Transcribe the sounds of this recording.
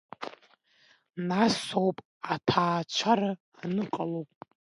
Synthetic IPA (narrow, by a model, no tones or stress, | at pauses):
nasowpʼ | atʰaːt͡ʃʷʰaɾaː | nɨqʼalowpʼ